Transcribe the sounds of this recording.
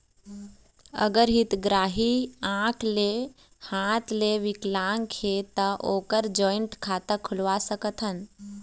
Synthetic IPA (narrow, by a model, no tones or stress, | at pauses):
ə̰ɡəɾɦit̪ɡɾaːɦiãːkʰle | hãːt̪ʰleʋɪklaːŋkʰet̪əʔoːkəɾd͡ʒɔːɪɳʈkʰaːt̪əkʰʊlʋasəkət̪ʰən